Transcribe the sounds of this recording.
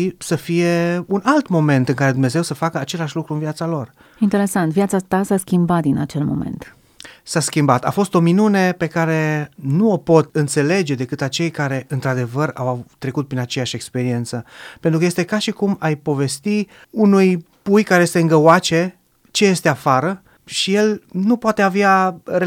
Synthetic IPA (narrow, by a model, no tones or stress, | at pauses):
səfije̞unalt̪mo̞mẽ̞nt̪ɨŋkaɾe̞d̪umne̞ze̞wsəfakəat͡ʃe̞laʃʲlukɾuɨnviat̪salo̞r | int̪eɾe̞sant̪vijat̪sat̪asaskʲimbat̪̚d̪inat͡ʃe̞lmo̞̰mḛnt̪ | saskʲimbat̪a̰fo̞st̪o̞minune̞pe̞kaɾe̞nuopo̞t̪ɨnt̪se̞le̞d͡ʒe̞d̪e̞kɨt̪at͡ʃe̞jkaɾe̞ʔɨnt̪ɾad̪e̞vəɾa̰waːɾe̞kut̪̚pɾinat͡ʃe̞jaʃe̞kspe̞ɾie̞nt̪səpe̞nɾukəjest̪e̞kaʃikumajpo̞ve̞st̪i | unuj | pujkaɾe̞jest̪eɨŋɡəwat͡ʃe̞ | t͡ʃe̞je̞st̪e̞afaɾə | ʃije̞lnupoat̪e̞aveare